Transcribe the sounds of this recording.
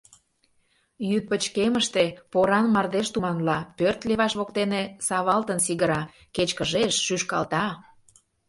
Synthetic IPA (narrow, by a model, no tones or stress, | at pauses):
jyt̪̚pət͡ɕkeməʃt̪epoɾɑnmɑrd̪eʃt̪umɑnlɑpørt̪leβɑʃβokt̪enesɑβɑlt̪ənsiɣəɾɑ | ket͡ɕkəʒeʃːyʃkɑ̰lt̪ɑ